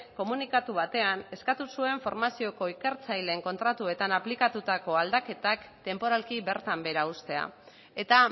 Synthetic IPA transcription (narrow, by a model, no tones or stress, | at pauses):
ko̞munikat̪uβat̪e̞ane̞skat̪usue̞ɱfo̞ɾmasio̞ko̞ike̞ɾt͡sajle̞ŋko̞nt̪ɾat̪ue̞t̪anaplikat̪ut̪ako̞ald̪ake̞t̪akt̪e̞mpo̞ɾalkiβe̞ɾt̪ambe̞ɾaust̪e̞a̰ | e̞t̪a